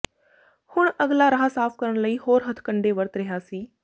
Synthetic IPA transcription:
hʊɳəɡlaːɾəɦaːsaːp̚ʰkəɾəɳləiːɦoːɾɦət̪ʰkəɳɖeːʋəɾt̪ɾɪɦaːsiː

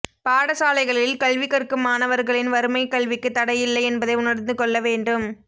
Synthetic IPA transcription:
paːɽɐsaːlɐɪɣɐɭɪlkɐlʋɪkːɐrkɯmaːnɐʋɐɾɣɐɭɪnʋɐɾɯmɐɪkːɐɭʋɪkːɯt̪ːɐɽɐjɪlːɐɪɛnbɐðɐɪʊnɐɾnd̪ɯkɔɭːɐʋeːnɖɯm

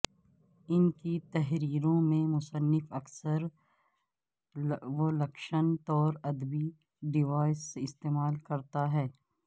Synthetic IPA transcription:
ɪnkit̪ɛɦɾiːɾõmẽmʊsənːɪfɐksəɾ | ʋolɐkʃənt̪ɔːɾɐd̪bi | ɖɪʋaːɪseɪst̪eːmaːlkɐɾt̪aɦɛː

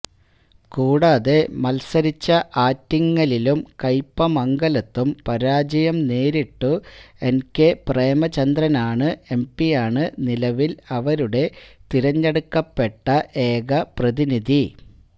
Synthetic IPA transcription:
kuːɽaːðe̞mɐlsɐɾit͡ɕːɐʔaːtːiŋːɐlilumkɐjpːɐmɐŋɡɐlɐt̪ːumpɐɾaːd͡ʑɐjɐmne̞ːɾiʈːue̞nkepre̞ːmɐt͡ɕɐnd̪rɐnaːɳɨe̞mpijaːɳɨnilɐʋilɐʋɐɾuɽe̞t̪iɾɐɲːɐɽukːɐpːe̞ʈːɐʔe̞ːɡɐprɐðiniði

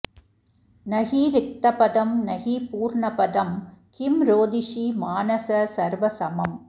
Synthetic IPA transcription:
nɐɣiɾɪk̚t̪ɐpɐðɐmnɐɣipuːɾɳɐpɐðɐmkɪmɾoːd̪ɪʂimaːnɐsɐsɐɾʋɐsɐmɐm

